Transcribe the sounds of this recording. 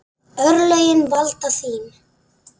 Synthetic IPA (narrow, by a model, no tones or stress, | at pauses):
œɾlœjɘnbɑlt̪ɑsim